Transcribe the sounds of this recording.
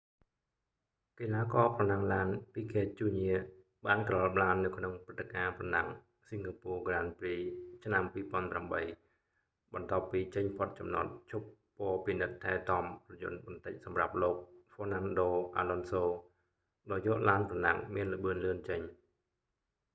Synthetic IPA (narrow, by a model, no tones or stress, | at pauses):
kilaːkɑːprɑnaŋlaːnpiːkʰeːt͡ɕuːɲiə | ɓaːnkrɑlɓlaːnːɨwkʰnoŋprɨt̪ːekaːprɑnaŋ | siŋkʰaːpuːəɡraːnpriːt͡ɕʰnampiːpŏənpramɓəj | ɓɑnt̪ŏəpːiːt͡ɕəɲpʰot̪̚t͡ɕɑmno̰t̪̚t͡ɕʰup̚ːoːpinɨt̪ʰːaɛt̪ɑmprɑjʊ̰n̚ɓɑnt̪ɨc̚sɑmra̰p̚loːk̚foːnanɗoːʔa̰ːlonsoː | ɗaːjɔːʔlaːnprɑna̰ŋmiənlə̆ɓɨənlɨənt͡ɕəɲ